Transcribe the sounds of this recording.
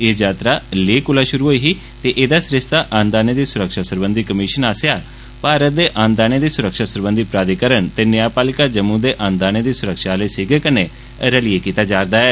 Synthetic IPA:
eːd͡ʒaːt̪ɾaːleːkʊlaːʃʊɾuːɦoːiːɦiː | t̪eːʔeːd̪aːsɾɪst̪aːʔãːnd̪aːneːd̪iːsʊɾəkʃaːsəɾbənd̪iːkəmɪʃənaːsjaː | paːɾət̪̚d̪eːʔãːnd̪aːneːd̪iːsʊɾəkʃaːsʊɾbənd̪iːpɾaːd̪ikəɾəɳt̪eːnɪjaːpaːlɪkaːd͡ʒəmːũːd̪eːʔãːnd̪aːneːd̪iːsʊɾəkʃaːləːsɪɡekəneː | ɾəlieːkiːt̪aːd͡ʒaːɾd̪aːɛː

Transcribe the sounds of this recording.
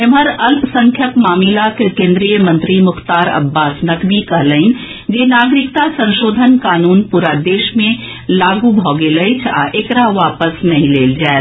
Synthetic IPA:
emɦəɾɐlpsə̃ŋkʰjəpmaːmilakekẽːnd̪ɾijəmɐ̃nt̪ɾimʊxt̪aːɾɐ̰bːaːsnəkbʱikɐɦləɪn | d͡ʒeːnaːɡɾɪkt̪asə̃nʃoːd̪ʱənkaːnuːnpuːɾad̪eːʃmẽ | laːɡubʱɔːɡeləit͡ʃʰa̰ʔekɾaʋaːpəsnɐɦĩleːld͡ʒaːe

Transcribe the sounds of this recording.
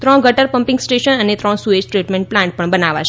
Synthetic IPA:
t̪ɾɔ̃ɳɡəʈəɾpəmpɪ̃ŋɡsʈeʃənənet̪ɾɔ̃ɳsued͡ʒʈɾiʈmẽɳʈplãɳʈ̚pəɳbənaʋat͡ʃʰ

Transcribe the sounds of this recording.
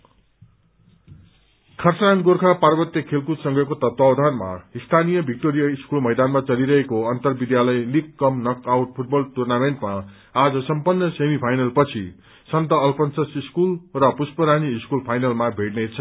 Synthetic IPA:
kʰʌrt͡sanɡorkʰaparbʌt̪jʌkʰelkut̪sʌ̃ŋɡʱʌkot̪ʌt̪wawd̪ʱanma̰ist̪ʰanijʌbʱik̚ʈoɾijaiskulmʌjd̪anmat͡sʌliɾʌɦekoʌnt̪ʌrbid̪jalʌjlikːʌmnʌkawʈ̚pʰuʈ̚bʌlʈurnameɳʈma | ad͡zʌsʌmpʌnːʌsemipʰajnʌlpʌt͡sʰi | sʌnt̪ʌːlpʰʌnsʌsiskulrʌpuspʌɾaniːskulpʰajnalmabʱeʈnʌt͡sʰʌ

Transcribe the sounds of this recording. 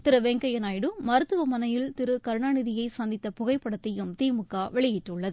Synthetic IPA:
t̪ɪɾɐʋɛŋɡɐjɐnaːjɪɽɯmɐɾɯt̪ːɯʋɐmɐnɐjɪlt̪ɪɾɯkɐɾɯɳaːɳɪðɪjɐɪsɐnd̪ɪt̪ːɐpʊɣɐɪpːɐɽɐt̪ːɐjɯmt̪iːmɯkːaːʋɛɭɪjɪʈːɯɭːɐðɯ

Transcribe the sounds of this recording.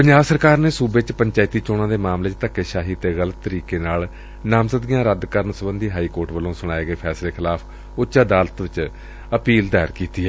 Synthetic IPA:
pəɲd͡ʒaːbsəɾkaːɾneːsuːbet͡ʃpəɲt͡ʃaːɪt̪iːt͡ʃoːɽ̃ãːd̪eːmaːmleːt͡ʃt̪əkːeːʃaːɦiːt̪eːɣələt̪ːəɾiːkeːnaːl | naːmzəd̪ɡɪjãːɾəd̪kəɾəɳsəbənd̪iːɦaːiːkoːɾʈʋəlõːsʊɽ̃aːeːɡəeːpʰɛːsleːkʰɪlaːpʰ | ʊʃaːd̪aːlət̪ʋɪt͡ʃ | əpiːld̪ɛːɾkiːt̪iːɛː

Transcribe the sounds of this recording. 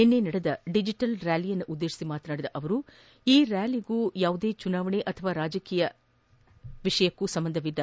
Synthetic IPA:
enːe̞ːnɐɽed̪ɐɖid͡ʒiʈɐlɾjaːlijɐnːuʔud̪ːeːʃi̥simaːt̪naːɽid̪ɐʔɐʋɐɾu | iːɾaːliɡuːjaːʋud̪e̞ːt͡ʃunaːʋɐɳeʔɐt̪ʰɐʋaːɾaːd͡ʒɐkiːjɐ | ʋiʂɐjɐkːusɐmbɐnd̪ʱɐʋid̪ːɐ

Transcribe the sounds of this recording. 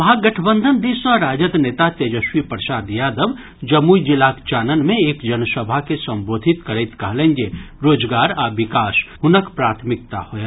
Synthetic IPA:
ɦaɡɐʈʰbə̃nd̪ʱənd̪iːsaɾaːd͡ʒəd̪neːt̪at̪eːd͡ʒəʃwipəɾʃaːd̪jaːd̪əʋ | d͡ʒɐmuid͡ʒɪlaːkt͡ʃaːnənmẽeːkd͡ʒɐnsəbʱakesɐ̃mboːd̪ʱɪt̪kəɾeɪt̪kɐɦlẽːnd͡ʒeɾoːd͡ʒɡaːɾaʋɪkaːsɦʊnəkpɾaːt̪ʰmɪk̚t̪a̰hoje

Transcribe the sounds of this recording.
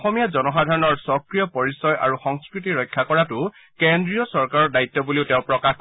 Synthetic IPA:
xɔmijazɔnɔxadʱaɹɔnɔɹsɔkɹijɔpɔɹisɔjʔa̰ɹuxɔŋskɹitiɹɔjkʰːakɔɹatʊ | kendɹijɔsɔɹkaɹɔɹdajit̪ːɔbuliʊtɛ̃ʊ̃pɹɔkax

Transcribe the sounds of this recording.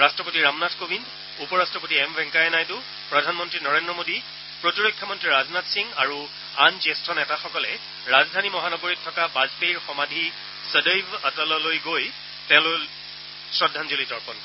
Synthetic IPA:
ɹastɹɔpotiɹamnatʰkobʱin | upɔɹastɹɔpotiɛmbɛŋkajɛnajtʊ | pɹɔdʱanmɔntɹinɔɹendɹɔmodi | pɹotiɹojkʰːɔmɔntɹiɹaznatsiŋaɹu | anzestʰɔnɛtaxɔkɔlɛ | ɹazdʱanimɔɦanɔɡoɹitʰːɔkabazpeɹxɔmadʱi | sədəjbətɔlɔlojɡoj | tɛ̃ʊ̃lʊ | sɹɔdʱːanzolitɔɹpɔnkɔ

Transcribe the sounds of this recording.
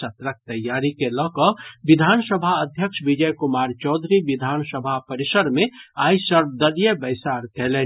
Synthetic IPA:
ɐt̪ɾək̚t̪ɐjːaːɾikelɔːkɔʋɪd̪ʱaːnsəbʱaəd̪ʱjəkʃbɪd͡ʒəjkʊmaːɾt͡ʃɔːd̪ʱɾiʋɪd̪ʱaːnsəbʱapəɾɪsəɾmẽaːisəɾb̚d̪əljebɐjsaːɾkɛɦle

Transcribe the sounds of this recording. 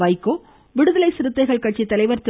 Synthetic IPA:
ʋɐɪkːoː | ʋɪɽɯðɐlɐɪsɪɾɯt̪ːɐɪɣɐɭkɐʈ̚t͡ʃːit̪ːɐlɐɪʋɐɾt̪

